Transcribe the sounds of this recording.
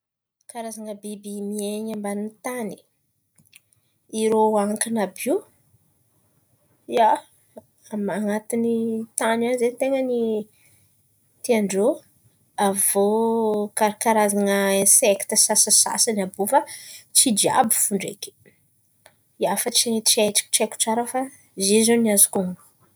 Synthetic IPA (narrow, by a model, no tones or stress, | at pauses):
kaɾazaŋəbibimieɲambaninit̪ani̥ | iɾoaŋkanabi | ja | amaŋat̪init̪ananzent̪eŋəni | t̪iaɳɖ͡ʐo | avokaɾakaɾazaŋəsekt̪əsasasa̰sanabufat͡sid̪ia̰bifuɳɖ͡ʐḛkʲi̥ | jafat͡siet͡siaʈ͡ʂi̥ki̥ʈ͡ʂeku̥ʈ͡ʂaɾəfa | zizoniazukuŋ